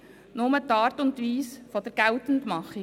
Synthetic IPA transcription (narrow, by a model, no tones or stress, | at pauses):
nʊmətɑːɾtʊntʋiːsfɔd̥əɾɡ̥æltən̩tmɑχːi